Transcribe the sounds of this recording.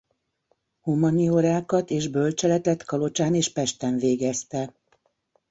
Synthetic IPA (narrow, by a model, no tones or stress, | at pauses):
humɒnioɾaːkɒt̪eːʒbølt͡ʃɛlɛt̪ɛt̪kɒlo̞t͡ʃaːneːʃpɛʃt̪ɛɱveːɡɛst̪ɛ